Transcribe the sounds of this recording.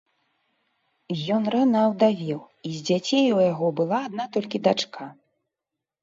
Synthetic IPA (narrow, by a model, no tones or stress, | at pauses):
jɔnɾanɐːwd̪avʲɛw | izʲd͡zʲat͡sʲejujaɣɔbɨlˠaːd̪̚nat̪ɔlʲkʲid̪at͡ʂka